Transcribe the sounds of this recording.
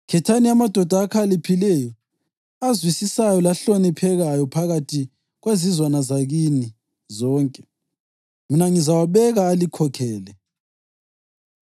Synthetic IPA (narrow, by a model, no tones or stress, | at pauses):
kʰɛtʰaniamad̥ʱɔd̥ʱaːkʰalipʰilɛjɔ | azwisisajɔlaɬonipʰɛɣajɔpʰaɣatʰi | ɣwezizwanazaɣini | zɔːŋkʼɛ | minaŋizawaβɛɣaːlikʰɔkʰɛːlɛ